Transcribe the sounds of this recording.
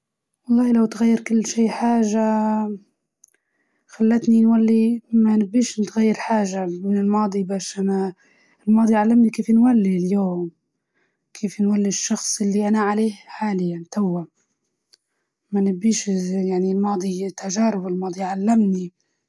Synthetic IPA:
wɑlˤːɑːhilawt̪ɣajːɪɾkɪlːʃiːħaːʒa | xalːat̪ninwalːimanɪbːiːʃnɪt̪ɣajːɪɾħaːʒamɪnɪlmɑːd̪ˤibaːʃʔana | ɪlmɑːd̪ˤiʕalːamnikeːfnwalːiljoːm | kʰeːfnwalːiʃːɑxsˤʔɪlːiʔanaʕaleːħaːlɪjːant̪awːa | manɪbːiːʃjaʕnilmɑːd̪ˤit̪aʒɑːɾɪbɪlmɑːd̪ˤiʕalːamni

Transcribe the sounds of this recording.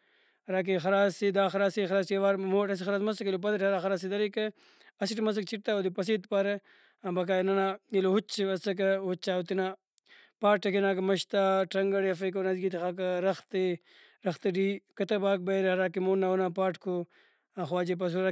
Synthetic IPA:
ɐɾaːk̬ixɐɾaːsid̪aːxɐɾaːsixɐɾaːsijɐʋaːɾmoːʈɐs̬ixɐɾaːsmɐsɐkilop̬ɐd̪ɐʈɐɾaːxɐɾaːsid̪ɐɾikɐ | ɐsiʈimɐs̬ɐk̚t͡ʃiʈ̚t̪aod̪ipɐs̬iːt̪pɐɾɐ | bɐk̬aːjnɐnaːilohut͡ʃiɐsɐk̬ɐhut͡ʃːaːut̪ina | paːʈːɐkinaːk̬ɐmɐʃt̪aːʈɐŋɡɐɽiɐfɐk̬ɐwnɐzɡit̪ixak̬ɐɾɐxt̪i | ɾɐxt̪ɐɖiːkɐt̪ɐbaːk̚bɐɾɐɾaːkimonːawunapaːʈkʰo | xwaːd͡ʒep̬ɐs̬uɾa

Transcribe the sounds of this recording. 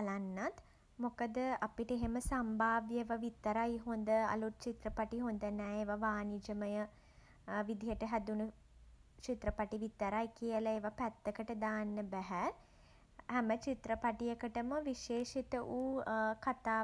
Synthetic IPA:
lanːat̪ | mokəd̪əapiʈəeɦeməsambʱaːʋjəeʋaʋit̪ːəɾajɦond̪əa̰lut̪̚t͡ʃit̪ɾəpaʈiɦond̪ənɛːeʋaʋaːnid͡ʒəməjə | ʋid̪ʱijəʈəɦæd̪unu | t͡ʃit̪ɾəpaʈiʋit̪əɾajkijəlaeʋapæt̪ːəkəʈəd̪aːnːəbæɦæ | hæmət͡ʃit̪ɾəpaʈijəkəʈəməʋiʃeːʃit̪əʔuːkat̪aː

